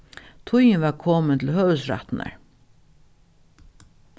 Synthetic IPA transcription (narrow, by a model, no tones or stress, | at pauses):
t̪ʰʊjnʋaɾkʰoːmɪnt̪ʰɪlhœːvəsɾa̰t̪na̰ɹ